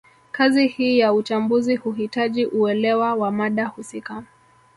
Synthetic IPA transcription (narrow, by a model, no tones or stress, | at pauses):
kazihiːjaut͡ʃambuzihuhitaʄiʔuɛlɛwawamaɗahusika